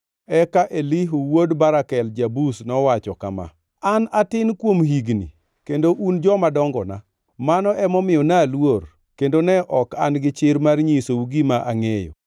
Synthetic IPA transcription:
ɛkaʔeliɦuwodbaɾakɛld͡ʒabusnɔwat͡ʃɔkama̰ | anatɪnkwomɦiɡnḭ | kendoʔund͡ʒɔmadɔŋɡɔna | manɔʔɛmɔmɪjɔnalwor | kendonɛʔɔka̰nɡɪt͡ʃɪɾmarɲisouɡimaʔaŋejɔ̰

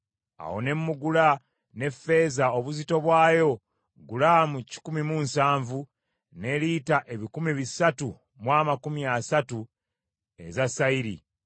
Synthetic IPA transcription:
a̰wo̞̰ne̞mːuɡula | ne̞fe̞ːzaoβuzito̞βwaːjo̞ | ɡulamuci̥kumimunsaːɱvu | ne̞litaʔe̞βikumiβisatu | mwaːmakumiasatu | e̞̰zasaiɾḭ

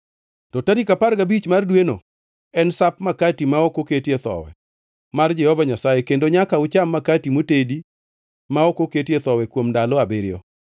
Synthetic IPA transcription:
tɔtaɾikaparɡabit͡ʃmardweno̰ | ɛnsapmakatimaokoketet̪ɔ̰wɛ̰ | mard͡ʒɛhɔvaɲasajekendoɲakaʊt͡ʃamːakatimotedi | maokoketet̪ɔwɛkwomndalɔabɪɾɪjɔ̰

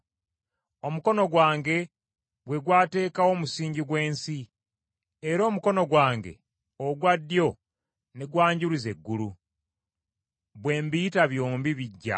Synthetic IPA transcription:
o̞muko̞no̞ɡwaːŋɡe̞ | βwe̞ɡwaːte̞ːkawo̞musiːɲɟiɡwe̞ːnsi | eɾo̞ːmuko̞no̞ɡwaːŋɡe̞̰ | oɡwadːjo̞ | neɡwaːɲɟuɾize̞ɡːulu | βwe̞ːmbiːtaβjo̞ːmbiβiɟːa̰

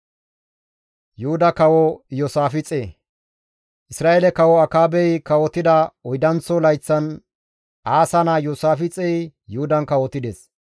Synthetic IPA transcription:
jʊhʊd̪ɐkɐwɔjɔːsaːfɪt͡sʼeː | ʔɪsɾaːʔelɛkɐwɔɐkaːbɛjkɐwɔt̪ɪd̪ɐɔjd̪ɐnt͡sːɔlɐjt͡sːɐn | ʔaːsɐnaːjoːsaːfɪt͡sʼɛjjʊhʊd̪ɐnkɐwɔt̪ɪd̪eːs

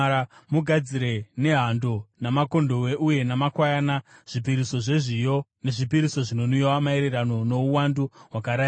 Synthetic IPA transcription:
muɡʱad͡ziɾe̞ne̞ɦando̞namako̞ndo̞we̞ʔuje̞namakwajaːnaʐ̥ipiɾiso̞ʐeʐijo̞ne̞ʐipiɾiso̞ʐino̞nujowamae̞ɾe̞rano̞no̞uwanduɦwakaɾaːj

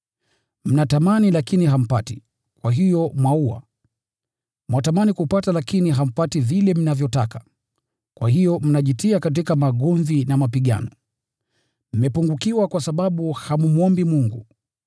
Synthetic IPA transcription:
m̩natamanilakiniɦam̩pati̥ | kwaɦijɔmwauwa̰ | mwatamanikupatalakiniɦam̩pativilɛm̩navjɔtakḁ | kwahijɔm̩naʄitiakat̬ikamaɠɔɱvinamapiɠa̰nɔ | m̩mɛpuŋɡukiwakwasaɓaɓuhamumuɔmbimuŋɡṵ

